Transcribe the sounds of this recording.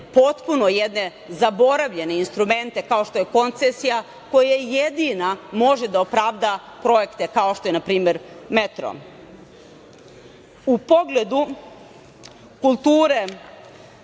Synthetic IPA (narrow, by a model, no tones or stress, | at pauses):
po̞t̪puno̞jed̪ne̞ | zabo̞ɾaʋʎe̞ne̞inst̪ɾume̞nt̪e̞kao̞ʃt̪o̞jeko̞nt̪sesija | ko̞jajed̪inamo̞ʒe̞d̪aopɾaʋd̪apɾo̞je̞kt̪e̞kao̞ʃt̪o̞jenapɾiːme̞ɾmet̪ɾo̰ | upo̞ɡle̞d̪u | kulˠt̪uːɾe